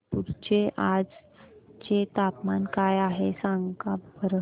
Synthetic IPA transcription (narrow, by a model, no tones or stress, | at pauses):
puɾt͡ɕeʔad͡z | t͡ɕet̪apmankajaɦesaŋɡkabəɾə